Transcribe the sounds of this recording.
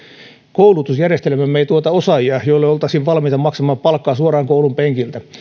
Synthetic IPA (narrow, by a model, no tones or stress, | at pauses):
koulut̪usjærjest̪elemæmmːeit̪uot̪ɑosɑjiɑjoilːeolt̪ɑsinʋɑlmiːt̪ɑmɑksɑmɑːppɑlkːɑːsuorɑːŋkoulumpeŋkilt̪æ